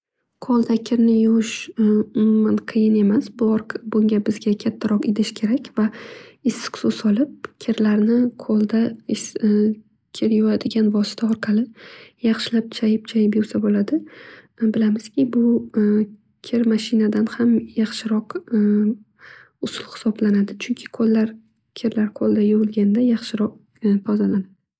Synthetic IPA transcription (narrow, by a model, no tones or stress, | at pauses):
qʰɒlˠd̪akʲʰɪɾnɪjʊʃʊmmʊmanqʰɨjɪne̞masbʊɾbʊŋɡʲabɪzɡʲakʲʰat̪ʰːaɾɒqɪd̪ɪʃkʲʰe̞ɾakʲvaɪsːɪ̥qsʊsɒlˠɪp̚kʲʰɪɾlaɾnɪqʰolˠd̪a | kʲʰɪɾjɒad̪ɪɡʲanvɒsɪ̥t̪ʰaɒɾqʰɑlɪjɑχʃɪlap̚t͡ʃʰajɪp̚t͡ʃʰajɪpjʊɾsabolad̪ɪ | bɪlamɪz̥kʲɪbʊ | kʲʰɪɾmaʃɪnad̪anhamjɑχʃɪɾɒq | ʊsʊlˠhɪ̥sɒblanad̪ɪt͡ʃʰʊŋkʲʰɪ̥qʰolˠːaɾ | kʲʰɪɾlaɾqʰolˠd̪ajʊʁʊlˠɡʲand̪ajɑχʃɪɾɒq̚ | p̪ʰɒzalanɪd